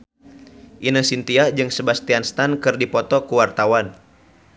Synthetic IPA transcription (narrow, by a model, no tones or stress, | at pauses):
ʔinəsint̪iad͡ʒɨŋsəbast̪ianst̪ankɨrdipɔt̪ɔkuwart̪awan